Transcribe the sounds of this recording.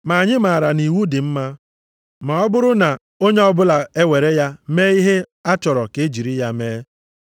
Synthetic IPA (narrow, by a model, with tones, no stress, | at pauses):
ma˨a˨ɲɪ˦ma˨a˨ɾa˨ni˨wu˦di˨m̩˦ma˦ | ma˨ɔ˦bʊ˦ɾʊ˦na˨ | o˦ɲe˦ɔ˦bʊ˦la˨e˦we˨ɾe˦ja˦me˦i˦ɦe˦ | a˦t͡ʃɔ˨ɾɔ˨ke˦e˦d͡ʒi˨ɾi˦ja˦meː˦